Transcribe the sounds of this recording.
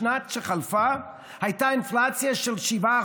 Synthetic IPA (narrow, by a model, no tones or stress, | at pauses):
nat̪ʃeχalfa | hajtainflat͡sjaʃelʃiva